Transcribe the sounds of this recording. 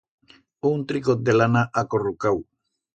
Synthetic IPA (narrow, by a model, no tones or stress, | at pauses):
unt̪ɾikod̪elanaʔakorukaw